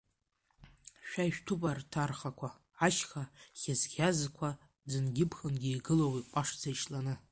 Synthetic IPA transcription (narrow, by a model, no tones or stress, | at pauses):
ʃᶣaiʃᶣtʰupʼartʰarχakʷʰaː | ʃxaχʲazɡʲazkʷʰa | d͡zɨnɡʲɪpʰχənɡʲiiɡɨlowipʷʼaʂd͡zajʃlanɨ